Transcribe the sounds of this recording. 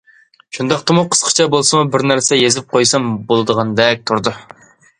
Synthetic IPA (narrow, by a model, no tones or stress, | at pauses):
ʃund̪ɑq̚t̪ʰɑmuqʰə̥sqʰə̥t͡ʃʰɑbolˠsɨmubɪɾnæɾsɛjezɪp̚qʰojsɑmbolˠɨd̪əʁɑnd̪ɛk̚ʲt̪ʰuɾd̪u